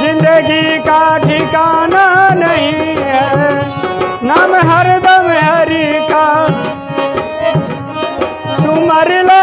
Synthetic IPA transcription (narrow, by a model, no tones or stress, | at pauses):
zɪ̃nd̪əɡikaʈʰikananɐɦĩɦɛ | nameɦɐɾd̪ameɦɐɾika | t̪umɐɾila